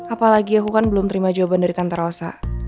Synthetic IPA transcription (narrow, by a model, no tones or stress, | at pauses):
ʔapalaɡiakukanbəlʊmt̪əɾimad͡ʒawabandaɾit̪ant̪aɾosa̰